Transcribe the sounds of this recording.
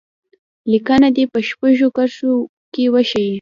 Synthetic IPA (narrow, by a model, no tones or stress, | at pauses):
likənad̪epəʃpəʒokaɾso | kewaʃaji